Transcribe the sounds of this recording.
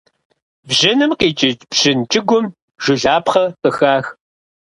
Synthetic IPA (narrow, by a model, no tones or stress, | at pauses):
bʑɪnɨmqiːt͡ʃʼɪt͡ʃʼb̥ʑ̥ɪnt͡ʃʼɪɡʷʊm | ʒ̥ɪɮaːpχɐsɨxaːx